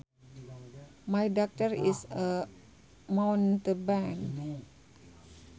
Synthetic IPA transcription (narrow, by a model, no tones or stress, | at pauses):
majdɔk̚təɾisə | mãwntəbãn